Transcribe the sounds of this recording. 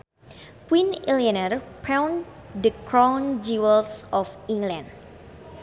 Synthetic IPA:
kwinilianərpʰawn | dəkɾawnd͡ʒiwəlsɔfiŋɡlãnd

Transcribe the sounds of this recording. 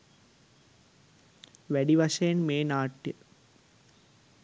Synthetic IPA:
ʋæɖiʋɐʃɐjenmeːnaːʈːjə̰

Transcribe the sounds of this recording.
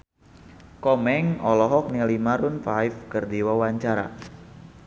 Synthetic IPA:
kɔmɛŋɔlɔɦɔk̚nilimaɾunfajfkərdiwawaɲt͡ʃaɾa̰

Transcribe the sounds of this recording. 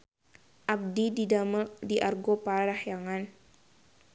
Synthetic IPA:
ʔab̚dididaməldiʔarɡopaɾahjaŋan

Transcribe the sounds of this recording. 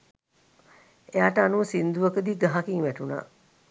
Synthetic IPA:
ejaːʈəanuʋəsind̪uʋəkəd̪iːɡ̪əɦakiŋʋæʈuna̰ː

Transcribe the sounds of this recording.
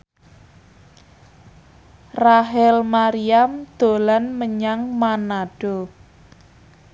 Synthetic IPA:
raɦɛlmaɾiamd̪̥o̤lanməɲaŋmanaɖ̥o

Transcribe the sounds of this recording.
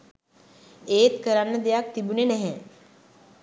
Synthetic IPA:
eːt̪kəɾanːəd̪ejak̚t̪ibunenɛɦe

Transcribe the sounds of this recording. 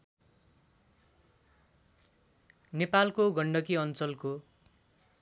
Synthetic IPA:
nepalkoɡʌɳɖʌkiʌnt͡sʌlko

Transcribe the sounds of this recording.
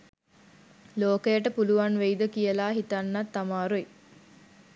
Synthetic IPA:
loːkəjəʈəpuluʋanʋejd̪əkijəlaːɦit̪anːat̪ːamaːɾui

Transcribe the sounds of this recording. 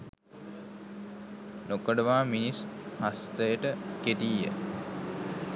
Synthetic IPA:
nokəɖəʋaːminishast̪əjəʈəkeʈiːjə̰

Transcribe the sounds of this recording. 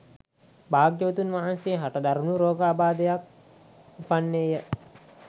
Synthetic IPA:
baːɡjəʋət̪unʋaɦanseɦaʈəd̪aɾunuɾoːɡəabaːd̪əjak̚ | upanːejə

